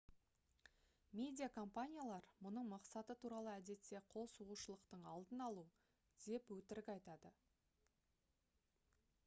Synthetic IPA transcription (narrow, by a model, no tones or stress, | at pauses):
mʲe̞d̪ʲijakʰo̞mpanʲijalˠɑɾmʊnəɴmɑqsɑt̪ət̪ʰuɾɑlˠəæd̪e̞t̪ːe̞qʰo̞lˠsuʁuʃəlˠəqt̪əɴɑlˠd̪ənɑlˠu | d̪̥e̞pwɵt̪ɪɾɪkʲɑjt̪ɑd̪ə